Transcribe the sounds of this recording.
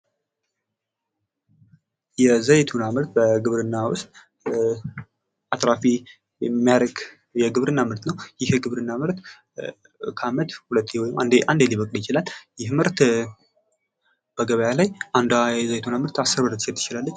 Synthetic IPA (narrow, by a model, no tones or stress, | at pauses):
jɛzəjt̪ʰunamɨɾt̪bəɡɨβɾɨnːawʊ̰st̪ʼ | at̪ɾafi | jɛmːijaɾəɡ | jɛɡɨβɾɨnːamɨɾt̪nəwjɪhɡɨβɾɨnːamɨɾt̪ | kʰəamət̪hulət̪ʰːewɔjɪmand̪eʔand̪eliβəkʼljɪt͡ʃɪlalːjɪɦmɨɾt̪ | b̥əɡəβəjalajʔand̪ɛzəjt̪ʰunamɨɾt̪asːɨɾməɾt̪ːsɛt̪ʰːɨ̥t͡ʃɪlalːəɲː